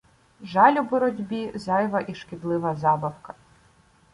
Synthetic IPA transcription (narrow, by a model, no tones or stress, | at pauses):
ʒɑlʲʊbɔɾɔdʲbʲizɑjʋɐʔiʃkʲɪd̪lˠɪʋɐzɑbɐwkɐ̥